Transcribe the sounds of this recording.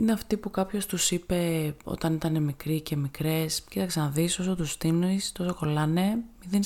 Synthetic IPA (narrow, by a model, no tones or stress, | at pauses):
ineɐft̪ipukɐpço̞st̪usipe̞o̞̰t̪ɐnit̪ɐne̞mikɾice̞mikɾe̞scit̪ɐksenɐðiso̞so̞t̪ust̪inist̪o̞so̞ko̞lɐne̞miðin